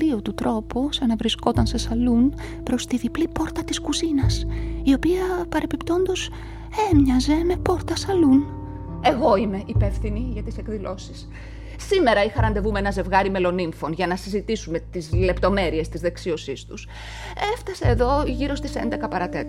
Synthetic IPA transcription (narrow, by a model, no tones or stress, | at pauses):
iot̪ut̪ɾo̞posɐnɐvɾisko̞t̪ɐnse̞sɐlun | pɾo̞st̪iðiplipo̞ɾt̪ɐt̪iskuzinɐsio̞piɐpɐɾe̞pipt̪o̞nd̪o̞s | emɲɐze̞me̞po̞ɾt̪ɐsɐlun | e̞ɣo̞ime̞ʔipe̞fθiniʝɐt̪ise̞kðilo̞sis | sime̞ɾɐixɐɾɐnd̪e̞vumeenɐze̞vɣɐɾime̞lo̞niɱfo̞nʝɐnɐsizit̪isume̞t̪izle̞pt̪o̞me̞ɾie̞st̪izðe̞ksio̞sist̪us | e̞ft̪ɐse̞ːðo̞ʝiɾo̞st̪ise̞nd̪e̞kɐpɐɾɐt̪e̞t̪